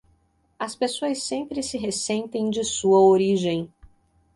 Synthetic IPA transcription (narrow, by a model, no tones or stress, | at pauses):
ɐspesoɐsːẽmpɾɪsɪɦesẽnt̪ẽj̃d͡ʒɪsuɐoɾiʒẽj̃